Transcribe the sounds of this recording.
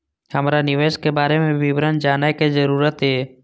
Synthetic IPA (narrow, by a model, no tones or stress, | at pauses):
həmɾanɪʋeːʃkebaːɾemẽʋɪwɾənd͡ʒaːnakezəɾuːɾət̪ɦeː